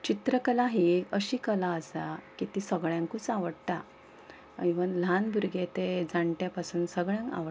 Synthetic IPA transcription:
t͡ɕit̪ɾəkəlaɦiəɕiːkəlaəsakit̪isəɡɭjãŋkut͡saʋəɽt̪a | iʋənlanbʱuɾɡet̪ed͡zaɳʈjapasuːnsəɡɭjãŋka̰ʋə

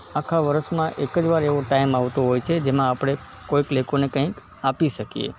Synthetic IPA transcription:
akʰaʋəɾəʃmãʔekəd͡ʒʋaɾeʋoʈaimaʋt̪oɦojt͡ʃʰed͡ʒemãːpɽ̃e | koiklekonekə̃ĩk | apiʃəkiḛ

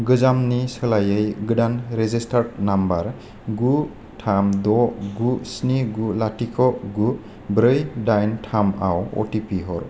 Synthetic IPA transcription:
ɡɯzamnisɯlajɯjɡɯdanɾezistʰaɾtnambaɾ | ɡu | tʰamd̪ɔɡusniɡulatikʰɔɡu | bɾɯjdajntʰama̰wɔ̰tipiɦɔɾ

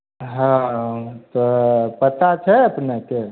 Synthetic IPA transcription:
ɦãt̪ɔpət̪at͡ʃʰɛəpneke

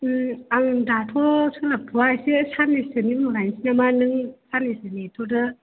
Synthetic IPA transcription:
aŋdatʰɔsʰɯŋlapʰuajsesanisɯniŋmɾajnsinamanɯŋsanisɯnitʰɔdɯ

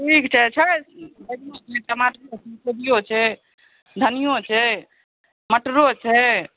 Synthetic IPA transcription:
ʈʰikt͡ʃʰɛt͡ʃʰɛb̪ədijot͡ʃʰɛtəmaʈot͡ʃʰɛsedijot͡ʃʰɛ | d̪ʱənijot͡ʃʰɛ | məʈɾot͡ʃʰɛ

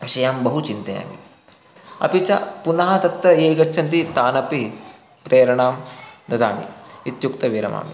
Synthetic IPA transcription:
ʋiʃɐjaːmbɐɦut͡ʃint̪ɐja̰ːmḭ | ɐ̰pit͡ʃɐ̰punɐɦɐt̪ɐt̪ɾɐeːɡɐt͡ʃːʃʰɐnt̪̬it̪aːnɐpi | pɾeːɾɐɳaːmd̪ɐd̪a̰ːmḭit̪jukt̪ɐʋiɾɐ̰ma̰ːmi

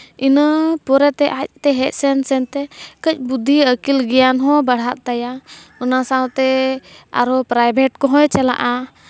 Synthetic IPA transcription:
inəpɔɾɛt̪ɛʔac̚t̪ɛɦɛc̪̚sɛnsɛnt̪ɛkəc̚ˀbud̪ʱːiəkilɡɛjanɦɔ̃baɽ̤aʔ̪̚t̪ajaɔnasawt̪ɛa̰ɾɔpɾajbʱɛʈkɔɦɔ̃jt͡ʃala̰ʔa

